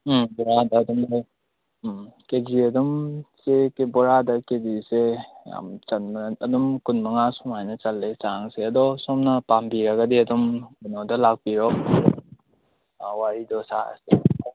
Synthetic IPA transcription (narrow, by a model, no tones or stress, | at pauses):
bɔɾadɐːdumɔj | ked͡ʒiɐdumsekebɔɾadɐkeziseja̰mt͡ʃanmɐdumkunmɐŋasumajnɐt͡ʃɐlːesaŋseɐdɔsɔmnɐpambiɾɐɡɐdiɐdumkunɔdɐlak̚piɾɔk̚ | waɾidɔsa̰a̰se